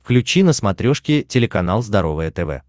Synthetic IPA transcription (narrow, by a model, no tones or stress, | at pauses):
fklʲʉt͡ɕinəsmɐt̪ɾʲoʂkʲɪtʲɪlʲɪkɐnalˠzd̪ɐɾo̞vɨjət̪ɛvɛ̰